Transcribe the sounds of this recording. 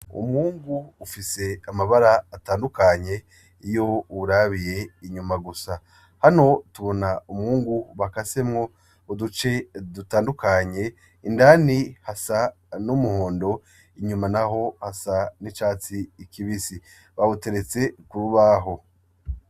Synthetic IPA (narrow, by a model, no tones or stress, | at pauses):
ṵmŋuːŋɡuːfise̞amaβaɾaːtaːndukaɲe̞ | ijo̞uɾaβije̞iɲumaɡusa | hano̞tuβo̞naumŋuːŋɡuβakase̞mŋo̞ | udut͡ʃe̞dutaːndukaɲe̞ | indanihasa | numuho̞ːndo̞ | iɲumanaɦo̞hasanit͡ʃaːt͡siːkʰiβisi | βaβote̞ɾe̞t͡se̞kuɾuβaɦo̞